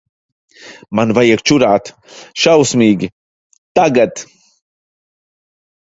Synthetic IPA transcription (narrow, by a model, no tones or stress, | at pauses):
manvajiɛkt͡ʃuɾaːt̪ | ʃawsmiːɡʲi | t̪aɡat̪